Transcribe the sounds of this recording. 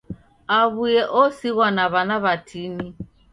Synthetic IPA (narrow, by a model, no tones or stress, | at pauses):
aβujɛʔɔsiɣwanaβanaβatʰini